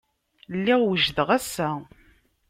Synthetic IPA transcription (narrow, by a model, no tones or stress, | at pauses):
lːiʁwəʒðəʁæsːæ